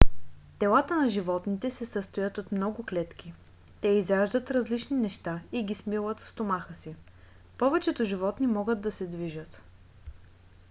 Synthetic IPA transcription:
t̪ɛlˠat̪ənɐʒivɔt̪nit̪ɛsɛsəst̪ojət̪ot̪mnɔɡʊklɛt̪k̟ʲi | t̪ɛizɾaʒd̪ət̪ɾɐzlit͡ʃninɛʃt̪aiɡʲismilˠət̪fst̪omaxəsi | pɔvɛt͡ʃɛt̪ʊʒivɔt̪nimɔɡəd̪̚ːɐsɛd̪viʒət̪

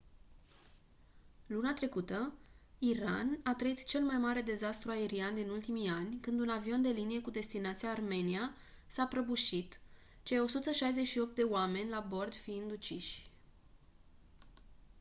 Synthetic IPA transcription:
lunat̪ɾe̞kut̪ə | iɾa̰nat̪ɾəit̪t͡ʃe̞lmajmaɾe̞d̪e̞zast̪ɾuae̞ɾiand̪inult̪imianʲkɨnd̪unavio̞nd̪e̞linije̞kud̪e̞st̪inat̪sijaːrme̞nia | sapɾəbuʃit̪ | t͡ʃejo̞sut̪əʃajze̞t͡ʃʃio̞p̚t̪̚d̪e̞oame̞nʲlabo̞rd̪fiind̪ut͡ʃiʃʲ

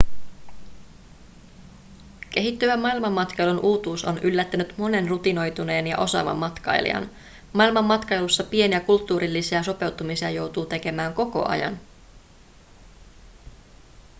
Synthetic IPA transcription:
k̟e̞ɦit̪ːyʋæmmːɑilmɑmːɑt̪kɑjlunʔuːt̪uːso̞nʔylːæt̪ːænyt̪mo̞ne̞nrut̪ino̞jt̪une̞ːnjɑ̰ʔo̞sɑ̰ːʋɑ̰mːɑt̪kɑ̰jlḭɑ̰n | mɑilmɑmːɑt̪kɑjlusːɑpie̞niækult̪ːuːɾilːisiæso̞pe̞wt̪umisiɑjo̞wt̪uːt̪e̞ke̞mæːŋko̞ko̞̰ʔɑ̰jɑ̰n

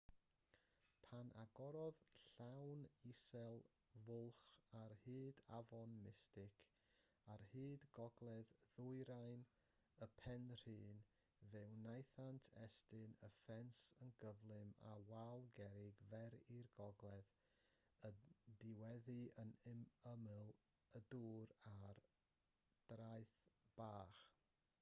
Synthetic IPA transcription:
pʰanʔaɡɔɾɔðɬawnisɛlˠ | vʊlˠχarhɨːdavɔnmɪstɪkʰ | arhiːdɡɔɡlˠɛððʊɨɾajn | əpʰɛnr̥ɨːn | vɛwnajθantʰɛstɨnəfɛnsənɡəvlˠɨma̰walˠɡɛɾɪɡvɛɾirɡɔɡlˠɛð | ədɪwɛðɨənɪməmɨlˠ | əduːɾar | d̥rajθb̥aːχ

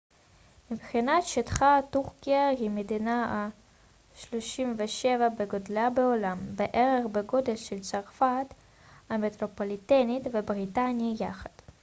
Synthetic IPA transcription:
mibχinat̪ʃit̪χat̪uʁkiaɦimed̪inaa | ʃloʃimveʃevabeɡodlabeolambeʔeʁeχbeɡo̞d̪elʃelt͡saʁfat̪ | amet̪ʁopolit̪enit̪vebʁit̪anijaχad̪̥

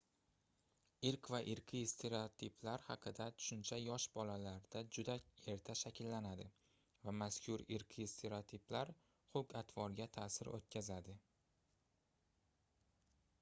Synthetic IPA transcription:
ɪɾkvaʔɪɾqʲʰist̪ʰeɾeot̪ʰipʰlaɾhɑqʰɨd̪at̪ʰʊ̥ʃʊnt͡ʃʰajɒʃbɒlalaɾd̪̥ad͡ʒʊd̪ae̞ɾt̪ʰaʃakʲʰɪlːanad̪ɪ | vamaskʲʰʊɾɪɾqʰist̪ʰe̞ɾet̪ʰiplaɾ | χokʲat̪ʰvɒɾɡʲat̪ʰaːsɪɾʔo̰t̪̚kʲazad̪ɪ

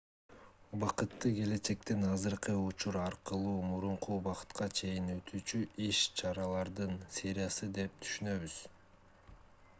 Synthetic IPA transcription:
ubɑqɯt̪ːɯɡe̞le̞t͡ʃe̞k̚t̪enɑzɯɾqɯut͡ʃuɾɑɾqɯlˠuːmuɾuɴqubɑqɯ̥t̪qɑt͡ʃʰe̞jinø̞t̪ʰyːt͡ʃyʔiʃt͡ʃʰɑɾɑlˠɑɾd̪ɯnsʲe̞ɾʲɪjɑsɯd̪e̞p̚t̪ʰy̥ʃynø̞βyz̥

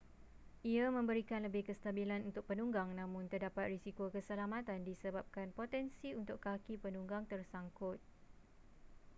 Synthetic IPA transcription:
ʔiamə̃mbəɾikanləbɪhkəst̪abilanunt̪ʊk̚pənuŋɡaŋnãmʊ̃nt̪ərdapat̪̚risikokəsəlamãt̪andisəbap̚kanpot̪ɛnsiunt̪ʊkkːakipənuŋɡaŋt̪ərsaŋkʊt̪̚

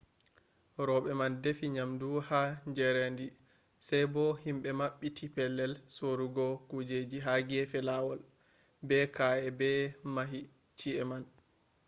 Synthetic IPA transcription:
ɾɔɓɛmandefiɲamduhaɲd͡ʒɛɾendi | sɛjbɔhimɓɛmaɓːitʰipɛlːɛlsoɾuɡɔkud͡ʒed͡ʒiɦaɡɛfɛlawɔl | bɛkaɛbɛmaɦi | t͡ʃiɛman

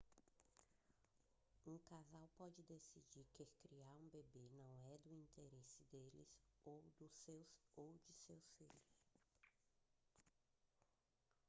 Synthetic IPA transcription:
ũkazawpɔd͡ʒɪd̪esid͡ʒiɾkekɾiaɾũbebenɐ̃w̃ɛd̪ʊĩt̪eɾesɪd̪elɪ̰zowd̪ʊsewsowd͡ʒɪsewsfiʎʊs

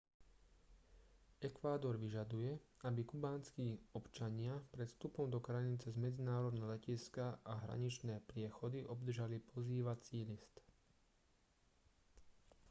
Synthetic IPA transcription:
ɛkʋaːd̪ɔɾʋiʒad̪ujɛabikubaːnskiːɔpt͡ʃaɲɪapɾɛt̪st̪upɔmd̪ɔkɾajinit͡sɛzmɛd͡zinaːɾɔd̪nɛɔlɛciskaʔaɦɾa̰ɲit͡ʃnɛːpɾɪɛxɔd̪iʔɔb̚d̪r̩ʒalipʰɔziːʋat͡siːlist̪

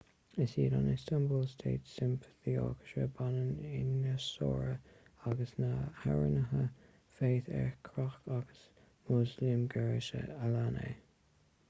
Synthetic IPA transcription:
əsiːdɑnɪstambəlstʰeːtsɪmpʰə̥θiɔ̰ːkə̥ʃə̰banənɪnəsɔːɹəaɡəsnaha̰ɹə̰nəɦə | feːθɛ̰ɹkʰɾaxkaɡ̥əs | mʊzliəmɡɛɹʃə̰əlanḛ

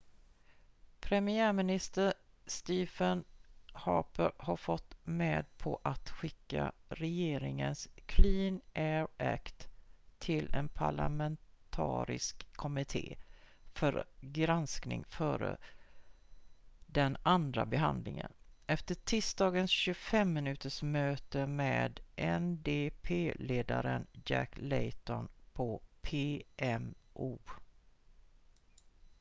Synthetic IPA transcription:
pʰɾɛmɪæːɾmɪnɪst̪əɾ | st̪iːfənhɑːpəɾhaɾfɔt̪ːmeːd̪̚pʰɔʔat̪ɧɪkːa̰ɾɛjeːɾɪŋənskʰliːnʔɛɾʔæ̰kt̪ʰːɪlɛnpʰaɭa̰mɛnt̪ʰɑ̰ːɾɪ̰skʰːɔmɪt̪ʰḛːfœɾɡɾansknɪ̰ŋfœːɾə̰ | d̪ɛnand̪ɾabɛɦa̰nd̪lɪŋə̰nɛft̪əʈʰɪːst̪ɑːɡənsɕɵfɛmːɪnʉ̟ːt̪ʰəʂmøːt̪əmeːd̪ʔɛnd̪eːpʰeːleːd̪aɾənjæ̰klɛjt̪ɔnpʰɔpʰeːɛmʔuː

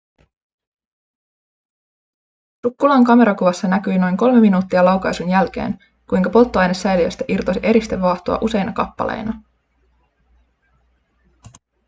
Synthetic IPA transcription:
sukːulɑːŋkɑme̞ɾɑkuʋɑsːɑnækyjno̞jŋko̞lme̞minuːt̪ːiɑlɑwkɑjsunjælk̟e̞̰ːn | kujŋkɑpo̞lt̪ːoɑjnesːæjliøst̪æʔirt̪osiʔe̞ɾist̪e̞ʋːɑːht̪oɑ̰ʔuse̞jnɑkɑpːɑ̰lḛjnɑ

